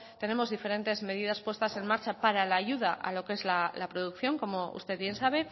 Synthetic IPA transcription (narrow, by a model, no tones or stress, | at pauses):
t̪e̞ne̞mo̞zðife̞ɾe̞nt̪e̞zme̞ð̞ið̞aspwe̞st̪ase̞nmaɾt͡ʃapaɾalaːʝuðaʔa̰lo̞ke̞zlalapɾo̞ðukθjo̞ŋko̞mo̞ṵst̪e̞ðβje̞nsaβ̞e̞